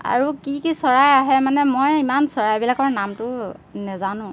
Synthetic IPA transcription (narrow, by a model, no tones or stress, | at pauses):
a̰ɹukikisɔɹajaɦɛmanɛmɔjimansɔɹajbilakɔɹnamtʊnɛzanʊ̃